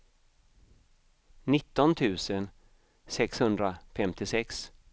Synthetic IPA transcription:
nɪt̪ːɔnt̪ʰʉ̟ːsən | sɛkshɵnd̪ɾafɛmt̪ʰɪsɛks

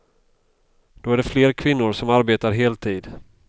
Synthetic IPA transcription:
d̪̥oːæɖɛfleːɾakʰvɪnːʊɾsɔmaɾbeːt̪aɾɦeːlt̪ʰiːd̪

